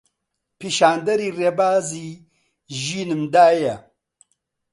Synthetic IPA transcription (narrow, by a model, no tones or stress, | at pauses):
piʃaːnd̪ɐɾirebaːzi | ʒinɨmd̪aːja